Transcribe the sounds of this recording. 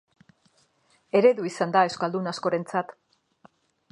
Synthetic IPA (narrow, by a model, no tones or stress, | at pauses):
e̞ɾe̞ðuisand̪ae̞wskald̪unasko̞ɾe̞nt͡sat̪